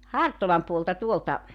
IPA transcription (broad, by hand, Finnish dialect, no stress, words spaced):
hɑrtolɑm puoltɑ tuoltɑ